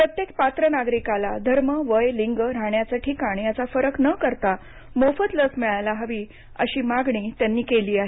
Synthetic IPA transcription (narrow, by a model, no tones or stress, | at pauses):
pɾət̪jek̚t̪̚pat̪ɾənaɡɾikalad̪ʱəɾməʋəjliŋɡəɾaɳjat͡saʈʰikaɽijat͡safəɾəknəkəɾt̪a | mofət̪ləsmiɭajlaɦəʋiː | ə̰ɕiːmaɡɳiːt̪janːiːkeliːaɦe